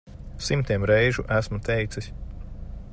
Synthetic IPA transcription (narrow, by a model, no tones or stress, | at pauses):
simt̪iɛmɾɛjʒuʔæsmut̪ɛjt̪sisʲ